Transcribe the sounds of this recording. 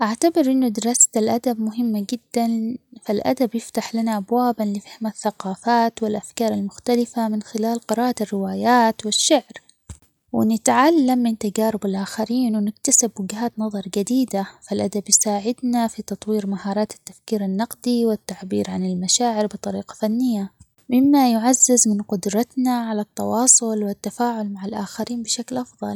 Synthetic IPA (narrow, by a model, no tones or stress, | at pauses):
ʔaʕt̪abɪɾʔɪnːʊd̪ɪɾˤɑːsḁt̪alʔad̪abmʊɦɪmːaɡɪd̪ːanfalʔa̰d̪abjɪft̪aħlanaʔabwaːbanlɪfahmaθːaqɑːfaːt̪wɪlʔafkɑːɾˤalmʊxt̪alɪfamɪnxɪlaːlqɪɾɑːʔarːɪwaːjaːt̪wɪʃːaʕɾ | wɪnɪt̪ʕalːamːɪnt̪aɡaːɾɪbalʔaːxaɾiːnwɪnɪkt̪asɪbwɪɡhaːt̪nɑðˤɑɾˤɡad̪iːd̪afalʔad̪abjɪsaːʕɪd̪nafit̪ɑt̪ˤwiːɾmahɑːɾˤɑːt̪ɪ̥t̪ːḁfkiːɾanːɑqd̪iwɪt̪ːaʕbḭːɾʕanɪlmaʃaːʕɪɾbɨt̪ˤɑɾiːqɑ̥fanːɪjːa | mɪmːajʊʕazːazmɪnqʊd̪ɾˤɑt̪naʕalat̪ːɑwɑːsˤʊlwɪt̪ːafaːʕʊlmaʕalʔaːxaɾiːnbɪʃaklʔɑfðˤɑ̰l